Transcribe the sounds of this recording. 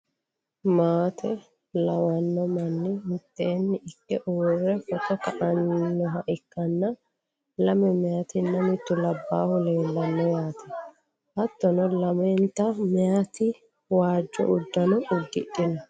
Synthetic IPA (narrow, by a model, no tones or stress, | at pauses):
maːt̪ʰɛ | lɐwɐnːɔmɐnːɪmɪt̪ʼːeːnːɪʔɪkːɛʔuːrːɛfɔt̪ɔkɐʔɐnːɔɦɐʔɪkːɐnːɐ | lɐmɛmɛjat̪ɪnːɐmɪt̪ːʊlɐbːaːhʊle̞ːlːɐnːɔjaːt̪ʰɐ | ʔɐt̪ːɔnɔlɐmɛnt̪ːɐmɛjat̪ɪ | waːd͡ʒːɔ̰ʔʊd̪ːɐnɔʔʊd̪ːɪɗːɪnɐ